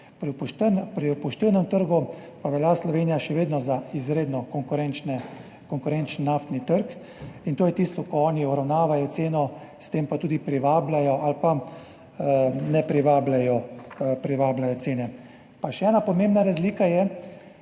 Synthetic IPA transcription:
pɾipʃpɾipɔʃt̪iwnɛmt̪əɾɡupaʋɛljaslɔʋeːnijaʃɛʋeːd̪nɔzaizɾeːd̪nɔkɔŋkʊɾɛnt͡ʃnɛ | kɔŋkʊɾɛnt͡ʃnːaft̪nit̪əɾk | int̪oːjɛt̪iːst̪ɔkɔɔːniɔbɾawnaːʋajɔt̪seːnɔst̪empat̪uːd̪ipɾiʋaːblajɔʔalpa | nɛpɾiʋaːblajɔpɾiʋaːblajɔt̪seːnɛ | paʃɛɛːnapɔmẽmbnaɾazliːkajɛ

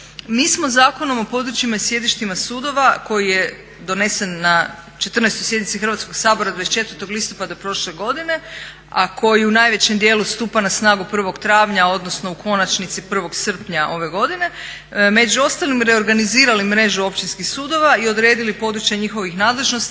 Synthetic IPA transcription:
miːsmo̞zaːko̞no̞mo̞po̞d̪ɾut͡ʃimasje̞d̪iʃt̪imasuːd̪o̞ʋako̞jije̞ | d̪o̞ne̞senːa | t͡ʃe̞t̪ɾr̩nejst̪ojsjed̪nit̪sixɾrʋat̪sko̞ɡsaːbo̞ɾad̪ajst͡ʃe̞t̪ʋəɾt̪o̞ɡlist̪opad̪apɾo̞ʃleɡo̞d̪ine̞ | akʰo̞jiunaːjʋe̞t͡ɕemd̪je̞ːlust̪uːpanasnaːɡupr̩ʋo̞ɡt̪ɾaːʋɲao̞d̪no̞sno̞ukʰo̞nat͡ʃnit̪sipr̩ʋo̞ɡsr̩pɲaʔo̞ʋe̞ɡo̞d̪ine̞ | me̞d͡ʒuo̞st̪alimɾe̞o̞ɾɡaniziːɾalimɾe̞ʒuo̞pʃt͡ʃ̪inskixsuːd̪o̞ʋaio̞d̪ɾeːd̪ilipo̞d̪ɾut͡ɕjaɲixo̞ʋixnaːd̪lˠe̞ʒno̞st̪

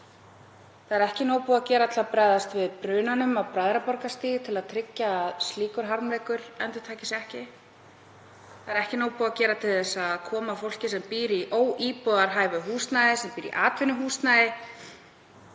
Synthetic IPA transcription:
θaðɛɾɛhcɪnoːwpuːaðcɛːɾat̪ʰɪlapɾajðast̪vɪðpɾʏːnanʏmawpɾajðɾapɔɾkast̪iːɣt̪ʰɪlaðt̪ʰɾɪcːaːðst̪liːkʏɾ̥ɦaɾmleːjkʏɾ̥ɛnt̪ʏɾ̥t̪ʰaːcɪsɛhcɪ | θθaðɛɾɛhcɪnoːwpuːacɛːɾat̪ʰɪlɛsːaðkʰɔːmafowl̥cɪsɛmpiːɾiʔoːwʔiːpɔðaɾɦaːjvʏɦuːst̪najðɪsɛmpiːɾḭʔaːt̪vɪnʏɦuːst̪najðɪ

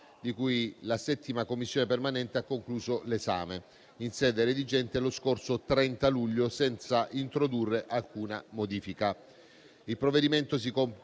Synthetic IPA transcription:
d̪ikujlasɛt̪ːimakomːisːjoːnepermanɛnt̪eakːoŋkluːzoleza̰ːme | insɛːd̪eɾed̪id͡ʒɛnt̪eloskorsot̪ɾɛnt̪aluʎːosɛnt̪saʔint̪ɾod̪urːeʔalkuːnamod̪iːfika | ilpɾovːed̪iment̪os̬ikom

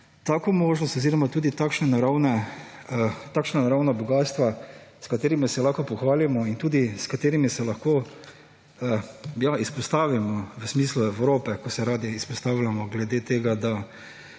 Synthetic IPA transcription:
t̪akomoːʒnɔst̪ɔziːɾɔmat̪uːd̪it̪aːkʃnɛnaɾawnɛ | t̪aːkʃnanaɾawnabɔɡaːst̪ʋaskat̪eːɾimisɛlaxkɔpɔxʋaːlamɔint̪uːd̪iskat̪eːɾimisɛlaxko | jaispɔst̪aːʋimɔʋəsmiːsluɛwɾoːpɛkɔsɛɾaːd̪iːspɔst̪aːwlʲamɔɡlɛd̪eːt̪eːɡad̪a

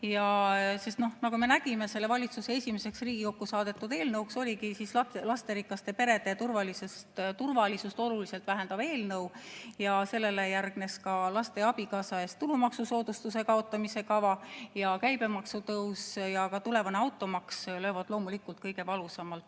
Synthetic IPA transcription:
jɑse̞st̪no̞hnɑkume̞næɡ̥ime̞selːe̞vɑlʲit̪suse̞e̞sʲime̞se̞ksriːɡ̥iko̞kːusɑːd̪̥e̞t̪ːˑud̪e̞ːlnɤwukso̞lʲikisisɑlɑst̪eɾikːɑst̪e̞pe̞ɾe̞d̪e̞t̪urvɑlisust̪t̪urvɑlisust̪o̞lulise̞lt̪væɦe̞nd̪ɑb̥e̞ːlnɤwjɑse̞lːe̞le̞jærɡ̥ne̞skɑlɑst̪e̞ɑb̥ikɑːsɑe̞st̪ːulumɑksuso̞ːd̪ust̪use̞kɑot̪ːˑɑmise̞kɑvɑjɑkæjb̥e̞mɑksut̪ɤwsjɑkɑt̪ule̞vɑneɑwt̪ːˑo̞mɑksløːvɑd̪̥lo̞ːmulikːult̪̚kɤjɡ̥e̞vɑlusɑmɑlt̪

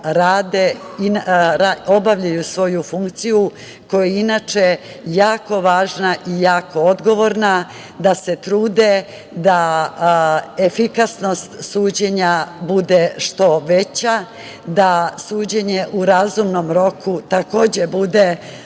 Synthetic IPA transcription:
ɾaːd̪einɾao̞baʋʎajusʋo̞jufuŋkt̪siju | ko̞jeinat͡ʃe | jaːko̞ʋaːʒnaʔijaːko̞o̞d̪ɡo̞ʋo̞ɾna | d̪ase̞t̪ɾuːd̪e̞ | d̪a | efikasno̞st̪suːd͡ʑeɲabud̪e̞ʃt̪o̞ʋe̞t͡ɕa | d̪asuːd͡ʑeɲe̞ʔuɾazumno̞mɾo̞kut̪ako̞ːd͡ʑe̞bud̪e

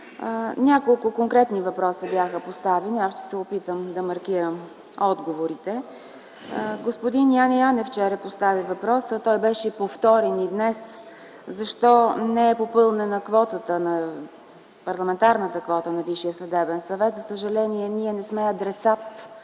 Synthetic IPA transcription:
nʲakolˠkʊkoŋkɾɛt̪nivɐpɾɔsəbjaxəpost̪avɛniasʃt̪ɛ̥sɛopit̪əmd̪ɐmɐɾkiɾəm | ɔd̪ɡovoɾit̪ɛ | ɡospod̪inijanɛjanɛft͡ʃɛɾəpost̪avivɐpɾɔsət̪ɔjbɛʃɛipoft̪ɔɾɛnid̪nɛs | zɐʃt̪ɔnɛɛpopɤlˠnənɐkvɔt̪ət̪ənɐ | pɐɾlˠɐmɛnt̪aɾnət̪əkvɔt̪ənɐviʃijəslɛd̪ɛbɛnsɐvɛt̪zɐsəʒɐlɛniɛniɛnɛsmɛɐd̪ɾɛsat̪

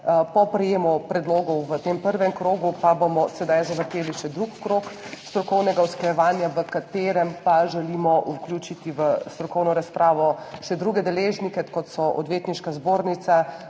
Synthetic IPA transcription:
pɔpɾɛjeːmɔpɾɛd̪loːɡɔwʋət̪empəɾʋɛmkɾoːɡupabomɔsɛd̪ajzaʋəɾt̪eːliʃɛd̪ɾukːɾokst̪ɾɔkɔwnɛɡawsklajɛʋaːnjaʋəkat̪eːɾɛmpaʒɛlimɔʔuklʲjut͡ʃit̪iʋəst̪ɾɔkɔwnɔɾaspɾʔaːʋɔʃɛd̪ɾuːɡɛd̪ɛleːʒnikɛkɔt̪sɔʔɔ̰d̪ʋjeːt̪niʃkazboːɾnit̪sa

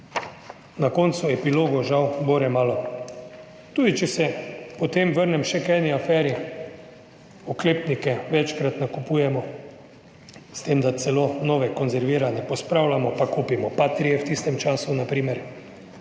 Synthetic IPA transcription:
nakɔnt̪suɛpiloːɡɔʒawboɾɛmaːlɔ | t̪uːd̪it͡ʃɛsɛpɔt̪eːmʋəɾnɛmʃɛkɛːniafɛːɾi | ɔkleːpnikɛʋɛt͡ʃkɾat̪nakupuːjɛmɔ | st̪eːmd̪at̪sɛlonɔːʋɛkɔnzɛɾʋiːɾanɛpɔspɾawlamɔpakuːpimɔpat̪ɾijɛwt̪ist̪ɛmt͡ʃaːsunapɾiːmɛɾ

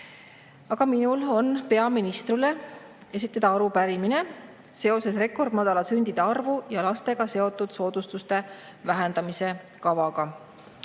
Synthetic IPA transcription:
ɑɡ̥ɑminulo̞npe̞ɑminist̪ɾile̞ | e̞s̬it̪ːˑɑd̪̥ɑɑɾupæɾimine̞ | se̞o̞sesre̞kːˑo̞rd̪̥mɑd̪̥ɑlɑsynʲd̪̥id̪̥e̞ɑrvujɑlɑst̪e̞ɡ̥ɑse̞o̞t̪ːˑud̪̥so̞ːd̪̥ust̪ust̪e̞ | væɦend̪̥ɑmise̞ | kɑvɑɡ̥ɑ

